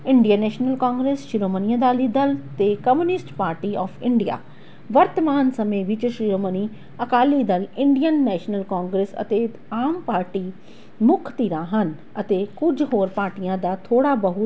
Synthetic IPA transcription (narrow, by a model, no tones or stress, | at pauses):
ɪɳɖijãːnɛːʃnəlkãːŋɡɾeːsʃɪɾoːmənijãd̪aːliːd̪əlt̪eːkəmjuːnɪsʈpaːɾʈiːɔːfʰɪɳɖija̰ː | ʋəɾt̪əmaːnsəmẽːʋɪt͡ʃʃɾiːɾoːməniː | əkaːliːd̪əlɪɳɖijənːɛːʃnəlkãːŋɡɾeːsə̰t̪eː | aːmpaːɾʈiː | mʊkʰt̪iːɾãːɦən | ət̪eːkʊd͡ʒɦoːɾpaːɾʈijãːd̪aːt̪ʰoːɽaːbəɦʊ